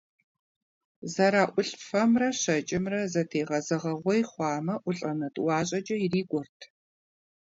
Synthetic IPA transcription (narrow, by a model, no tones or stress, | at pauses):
zɐɾaːʔʷʊɬfɐmrɐɕɐt͡ʃʼɪmrɐzɐtʰeːʁɐzɐʁɐʁʷɔjχʷɑːmɐʔʷʊɬʼɐnɐtʼwɑːɕʼɐd͡ʒɐjiriːɡʷɔrtʰ